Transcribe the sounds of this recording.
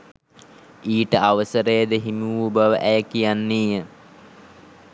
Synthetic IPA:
iːʈəʔaʋəsəɾəjəd̪əɦimiʋubəʋəʔæjəkijanːiːjə

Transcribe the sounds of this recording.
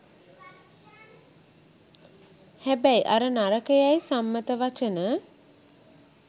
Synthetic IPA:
hæbæjʔa̰ɾənaɾəkəjajsamːət̪əʋat͡ʃənə

